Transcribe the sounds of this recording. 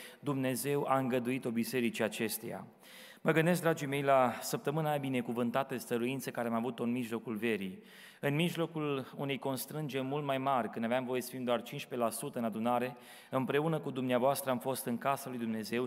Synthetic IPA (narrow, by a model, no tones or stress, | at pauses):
d̪umne̞ze̞waɨŋɡəd̪uit̪o̞bise̞ɾit͡ʃiat͡ʃe̞st̪eja̰ | məɡɨnd̪esk̚d̪ɾad͡ʒijme̞jlasəp̚t̪əmɨnaabine̞kuvɨnt̪at̪əst̪əɾuint̪səkaɾeamavut̪oɨnmiʒlo̞kulve̞ɾi | ɨnmiʒlo̞kulune̞jko̞nst̪ɾɨnd͡ʒerʲmult̪̚majmarʲkɨnd̪aveamvo̞jesə̥fimd̪oart͡ʃinʃpe̞lasut̪əɨnad̪unaɾe̞ | ɨmpɾe̞unəkud̪umneavoast̪ɾəamfo̞st̪ɨŋkasalujd̪umne̞ze̞w